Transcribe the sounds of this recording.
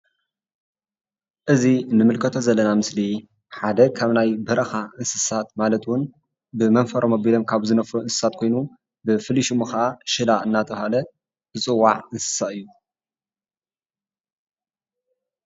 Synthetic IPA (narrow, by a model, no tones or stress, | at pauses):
ʔɨzinɨmɨlkʰɐt̪ʰo̞zɐlːɐnamɨsli | ħad̪ɐkʰaβnajbɐɾɐxaɨnsɨsat̪malɐt̪wʊn | bɨmɐnfɐɾʔomobilomkʰaβzɨnɐfuɨnsɨ̥sat̪̚kʰo̞jnu | bɨfɨliʃumɨxaʔaʃɨlaɨnːat̪ʼɐβhalɐ | zɨt͡sʼɨwːa̰ʕɨnsɨ̥saɨjːu